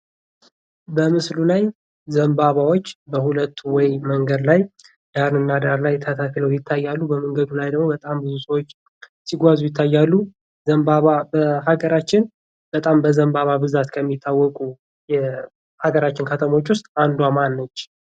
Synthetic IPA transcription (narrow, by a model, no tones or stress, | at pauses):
bəmɨslulaj | zəmbaβawo̞t͡ʃːbəhulət̪ʰːuwɔjməŋɡəd̪laj | d̪̥aɾnɨnːad̪aɾlajt̪ʰət̪ʰakləwjɪt̪ʰːajːalːubəməŋɡəd̪ulajd̪əɡmo̞bət̪ʼambɨzusəwot͡ʃː | siɡʷazujɪt̪ʰːajːalːu | zəmbaβabəɦaɡəɾat͡ʃːɪn | b̥ət̪ʼambəzəmbaβabɨzat̪kʰəmːit̪ʰːawːɔkʼu | jɛ | haɡəɾat͡ʃːɪnkʰət̪ʰəmo̞t͡ʃːwʊst̪ʼand̪uamanːət͡ʃː